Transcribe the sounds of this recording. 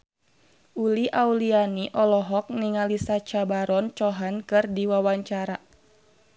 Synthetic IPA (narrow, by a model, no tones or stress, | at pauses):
ʔuliʔaulianiʔɔlɔɦɔk̚niŋalisat͡ʃabaɾɔnt͡ʃɔɦankɨrdiwawaɲt͡ʃaɾa